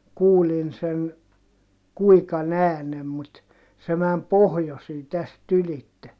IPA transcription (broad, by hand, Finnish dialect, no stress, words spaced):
kuːlin sen kuikɑn æːnem mut se mæm pohjosiː tæst ylitːe